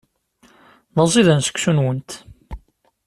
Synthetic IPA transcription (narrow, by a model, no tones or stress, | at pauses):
ðəzˤiðænsə̥kʷːsunwənt̪